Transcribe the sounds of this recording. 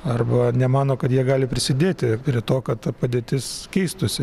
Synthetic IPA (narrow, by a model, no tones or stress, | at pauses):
ɐrbɐnʲɛmɑːnoːkɐt̪jiɛɡɑːlʲɪpʲɾʲɪsʲɪd̪ʲeːt̪ʲɪpʲɾʲɪt̪oːkɐt̪t̪ɐpɐd̪ʲeːt̪ʲɪskʲɛɪst̪ʊsʲɪ